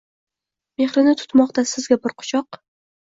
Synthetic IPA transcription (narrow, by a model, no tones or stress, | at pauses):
me̞hɾɪnɪt̪ʰʊ̥t̪mɒqt̪asɪzɡʲabɪɾqʰʊ̥t͡ʃʰɒq